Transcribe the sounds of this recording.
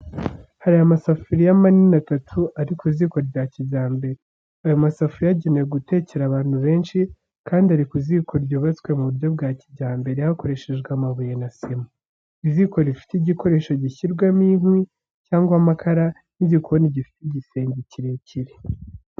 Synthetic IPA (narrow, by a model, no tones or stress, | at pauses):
haɾiamasafuɾijamaninatatʰuʔaɾikuziːko̞ɟaːciɟaːmbe̞ɾe | ajomasafuɾijaɟenejeɡute̞ːce̞ɾaβaːn̥huβe̞ːnʃi | kaːndiaɾikuziːkʰo̞ɾɟoːβat͡skwe̞muβuɾɟo̞b̚ɡaːciɟaːmbe̞ɾehako̞ɾe̞ʃe̞ʒɡwamaβujenasemu | iziko̞ɾifi̥tiɟiko̞ɾe̞ːʃo̞ɟiçiɾɡwamiːnwi | caːŋɡwamakʰaɾa | nizikuoniɟifi̥tiɟise̞ːɲɟiciɾeciɾe